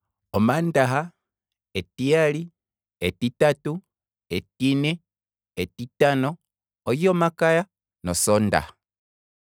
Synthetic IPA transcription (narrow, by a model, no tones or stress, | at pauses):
omandaɦa | etiali | etitatu | etinɛ | etitanɔː | jomakaja | nɔsɔnda̰ha